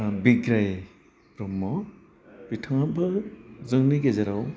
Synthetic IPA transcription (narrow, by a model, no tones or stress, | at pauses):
biɡɾaj | pɾɔmːɔ | bitʰaŋabɯzɯŋniɡezaɾaw